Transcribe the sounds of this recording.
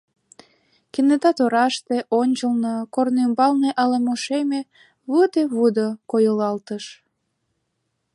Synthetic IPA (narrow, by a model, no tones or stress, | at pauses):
kined̪ɑt̪oɾɑʃt̪eʔonʲt͡ɕəlnəkornymbɑlneʔɑlemoʃeme | βud̪eβud̪okojəlɑlt̪əʃ